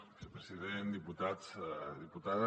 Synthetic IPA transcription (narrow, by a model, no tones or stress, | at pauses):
sepɾeziðend̪iput̪aðiput̪aðə